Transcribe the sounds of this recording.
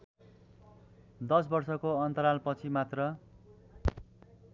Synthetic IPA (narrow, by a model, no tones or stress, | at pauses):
d̪ʌs̬bʌrsʌkoʌnt̪ʌɾalpʌt͡sʰimat̪rʌ